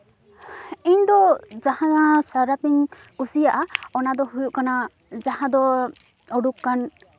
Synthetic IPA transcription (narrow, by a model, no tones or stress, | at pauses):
iɲd̪ɔd͡ʒahãasaɾapiɲ | usijaʔaɔnad̪ɔɦujuʔkana | d͡ʒaɦãd̪ɔ | ɔɖukːan